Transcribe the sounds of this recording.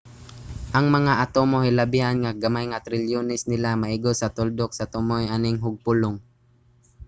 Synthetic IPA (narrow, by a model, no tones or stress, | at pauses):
ʔɐŋmɐŋaʔɐt̪omohɪlɐbɪhanŋaɡɐmajŋat̪ɾɪljonɪsnɪlamɐʔɪɡosɐt̪ʊld̪ok̚sɐt̪ʊmojʔanɪŋɦʊɡ̚pʊlʊŋ